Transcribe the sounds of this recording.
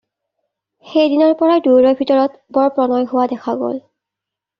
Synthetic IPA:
xejdinɔɹpɔɹaduɹɔjbʱitɔɹɔtbɔɹpɹɔnɔjɦʊwadɛkʰaɡo̰l

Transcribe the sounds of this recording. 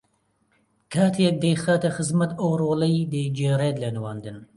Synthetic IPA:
kʰaːt̪ʰjɛk̚d̪ejxaːt̪ɐxɨzmɐt̪owroːlɐjd̪ed͡ʒeːɾeːd̪lɐnɨwaːnd̪ɨn

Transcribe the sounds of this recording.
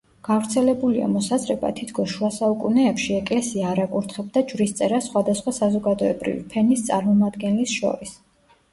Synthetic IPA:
ɡ̥avɾt̪sʰɛlɛbulia̰mɔsazɾɛba̰t̪ʰit̪ʰkʰɔsʃuasaukʼunɛːpʃiɛkʼlɛsiaɾakʼuɾt̪ʰχɛb̚d̪ad͡ʒvɾist̪sʼɛɾasχwad̪asχwasazɔɡad̪ɔɛbɾḭvḭpʰɛnist̪sʼa̰ɾmɔmad̪ɡɛnlisʃɔ̰ɾis

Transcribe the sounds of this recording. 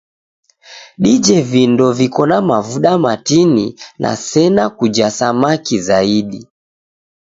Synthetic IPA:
ɗid͡ʒɛvindɔvikɔnamavuɗamatininʔa̰sɛnakud͡ʒasamakizaiɗi

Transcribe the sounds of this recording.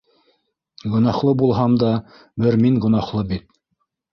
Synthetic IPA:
ɡŏnɑχlˠɤbulˠɦɑmd̪ɑ | bɘɾmiŋɡŏnɑχlˠɤbit̪̚

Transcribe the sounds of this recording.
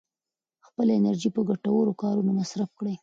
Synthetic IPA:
xpəlaɪnaɾʒipəɡaʈawəɾokɑɾunomasɾafkɽəj

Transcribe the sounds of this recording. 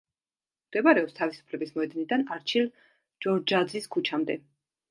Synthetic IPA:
md̪̥ɛbaɾɛɔpst̪ʰavisu̥pʰlɛbismɔɛd̪nid̪anaɾt͡ʃʰil | d͡ʒɔɾd͡ʒad̪ziskʰut͡ʃʰamd̪ɛ

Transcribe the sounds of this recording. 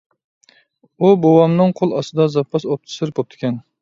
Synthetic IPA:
ubowɑmnɨŋqʰolˠɑst̪ɨd̪ɑzɑpʰːɑsop̚t̪ʰɨ̥sɨɾbop̚t̪ʰɪ̥kʲɛn

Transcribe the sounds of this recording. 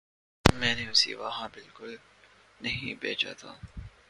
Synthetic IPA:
mɛ̃ːneʊsḭʋɐɦãbɪlkʊl | nɐɦĩbḛːt͡ʃa̰t̪ʰa̰ː

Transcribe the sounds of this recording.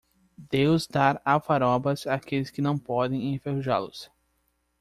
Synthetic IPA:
d̪ewzd̪aɾavaɾɔbɐzaːkelɪskɪnɐ̃w̃pɔd̪ẽj̃ẽfehuʒa̰lʊs

